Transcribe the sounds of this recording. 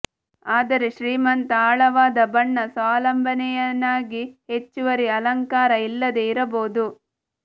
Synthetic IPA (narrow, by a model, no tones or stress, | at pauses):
aːd̪ɐɾeʃɾiːmɐnt̪ɐaːɭɐʋaːd̪ɐbɐɳːɐsʋaːlɐmbʱɐnɛjɐnːaːɡihet͡ʃːuʋɐɾiɐlɐŋkaːɾɐilːɐd̪e̞iɾɐboːd̪u